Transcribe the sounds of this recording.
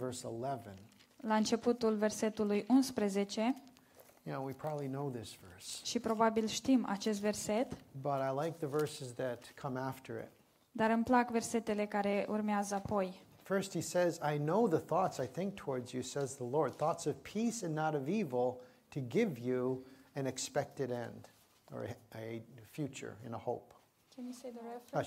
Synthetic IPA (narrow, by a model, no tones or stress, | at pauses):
vɜ˞səlɛvɨ̃n | laɨnt͡ʃe̞put̪ulve̞rse̞t̪ulujʔunspɾeze̞t͡ʃe̞ | jɨnoʊwipʰɹ̥ɑbəblinoʊðɪsv̥ɜ˞sʃipɾo̞babilʃt̪imʔa̰t͡ʃe̞s̬t̪ve̞rse̞t̪b̥ʌɾaɪlaɪk̚ðɨvɜ˞sɨzðɨt̚kʰʌ̃mæftʰə̰˞ɪ̰t̚ | d̪aɾɨmplakve̞rse̞t̪ele̞kaɾe̞ʔurmeazəapo̞j | fɜ˞st̚hisɛzaɪnoʊðəθɔtsaɪθɪ̃ŋk̚tʰəwɔɹdzjɨsɛzðəlɔɹd̪̚θɔtsʌv̥pʰisɨ̃nːəɾʌvivl̩ˠ | tʰɨɡɪvjuɨ̃nɨkspɛk̚tɨɾɛ̃nd | ə̰˞ | fjʉt͡ʃə̰˞ɨ̰̃nəhoʊp